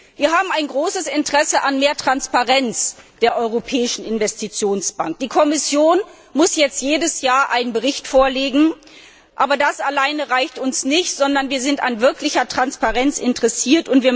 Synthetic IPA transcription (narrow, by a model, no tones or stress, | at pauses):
viːɐɦaːbm̩aɪnɡʁoːsəsɪntəʁ̥ɛsəʔanmeːɐtʁ̥anspaʁɛnt͡sd̥eːɐʔɔʏʁopʰɛːɪʃn̩ɪnvɛstit͡sjoːnsb̥a̰ŋk̚d̥iːkʰɔmɪsjoːn | mʊsjɛt͡stjeːdəsjaːɐʔaɪnənbəʁɪçtfoːɐleːɡŋ̩ | ʔaːbɐdasalaɪnəʁaɪçtʊnsnɪçtz̥ɔndɐnviːɐzɪntanvɪɐklɪçɐtʁ̥anspaʁɛnt͡sɪntəʁɛsiːɐtʊntv̥iːɐ